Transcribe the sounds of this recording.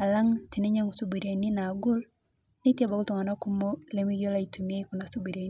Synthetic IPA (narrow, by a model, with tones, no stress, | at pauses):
a˨la˦ŋti˨nɛ˦ɲa˦ŋu˨su˦bi˨ɾja˨ni˦na˨ɡu˦l | ne˦tɛ˦ba˨ku˦tu˨ŋa˨na˦ku˦mɔ˦lɛmi˦ɣjɔ˦la˦itʰumia˦iku˨na˨subi˨ɾia˨